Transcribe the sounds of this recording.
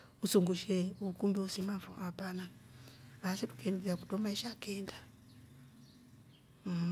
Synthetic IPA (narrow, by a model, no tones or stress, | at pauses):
usuŋɡuʃɛukumbiusimaɱvṵʔapana | βasɛtu̥kʰɛndiaku̥tɔmaiʃakɛnda